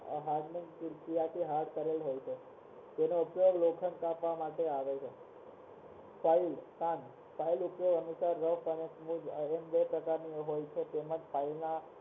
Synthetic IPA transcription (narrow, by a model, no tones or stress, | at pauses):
ɦãɡnĩŋɡtɪɾkijat̪ʰiɦaɽkəɾelɦojt͡ʃʰe | d͡ʒenoupjoɡlokʰənkapʋamaʈeaʋet͡ʃʰe | failk̪ãn | failupjoɡənusaɾːəʋfənesmũd͡ʒembepɾəkaɾniɦojt͡ʃʰet̪eməd͡ʒpʰailna